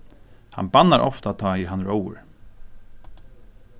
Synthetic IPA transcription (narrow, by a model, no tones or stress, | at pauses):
ha̰nbanaɾʔɔ̰ft̪at̪ʰaːiɦanɹowə̰ɹ